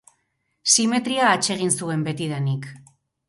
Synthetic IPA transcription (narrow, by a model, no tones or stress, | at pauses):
sime̞t̪ɾiaːt͡ʃe̞ɣ̞insue̞mbe̞t̪iðanik